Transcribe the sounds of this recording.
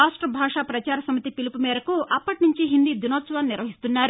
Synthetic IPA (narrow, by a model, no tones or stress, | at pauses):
aːʂʈɾɐbʱaːʂaːpɾɐt͡ʃaːɾɐsɐmɐt̪ipilipumɛːɾɐkuʔɐpːɐʈnuɲt͡ʃiɦind̪id̪unoːt̪sʋaːnːiɾʋɐɦist̪unːaːɾ